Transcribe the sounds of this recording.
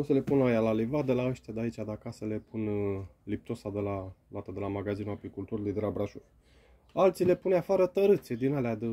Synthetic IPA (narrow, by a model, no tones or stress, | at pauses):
osəle̞punlajalalivad̪elaəʃt̪ʲad̪eait͡ʃʲad̪akasəle̞punlip̚t̪o̞sad̪elalat̪əd̪elamaɡazinuapikult̪uɾilujd̪elabɾaʃu | alt̪sile̞punafaɾət̪əɾɨt̪sʲed̪inalead̪ə